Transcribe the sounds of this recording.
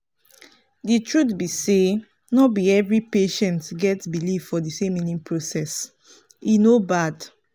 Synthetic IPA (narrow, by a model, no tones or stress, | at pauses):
ditʰɹutbise | nɔbiɛvɹipeʃɛ̃ntɡɛtbiliffɔdisẽminĩmpʰɹosɛs | inobad